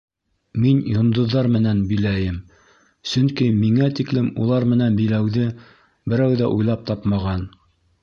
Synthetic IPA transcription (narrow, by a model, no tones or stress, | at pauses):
minjŏnd̪ŏðːɑɾmɘ̆nænbilæjɘm | sɵŋkimiŋæt̪iklɘmulˠɑɾmɘ̆nænbilæwðɘ | bɘ̆ɾæwðæʔujlˠɑp̚t̪ɑpmɑʁɑn